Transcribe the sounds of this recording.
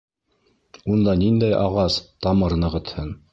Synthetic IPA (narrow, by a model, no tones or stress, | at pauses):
und̪ɑnind̪æjʔɑʁɑst̪ɑmɤɾnɤ̆ʁɤ̆t̪hɤn